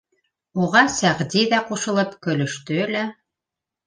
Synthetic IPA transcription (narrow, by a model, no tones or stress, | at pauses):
uʁɑsæʁd̪iðæquʃɤ̆lˠɤpkɵ̆lɵ̆ʃt̪ɵlæ